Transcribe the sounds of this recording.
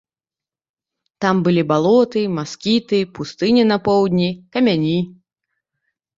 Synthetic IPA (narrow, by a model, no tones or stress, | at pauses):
t̪ambɨlʲibalˠɔt̪ɨmaskʲit̪ɨpust̪ɨnʲinɐpɔwd̪ʲnʲikɐmʲanʲi